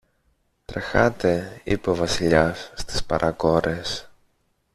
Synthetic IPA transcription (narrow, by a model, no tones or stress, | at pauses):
t̪ɾexɐt̪e̞ḭpovɐsiʎɐsːt̪i̥spɐ̰ɾʔɐko̞ɾe̞s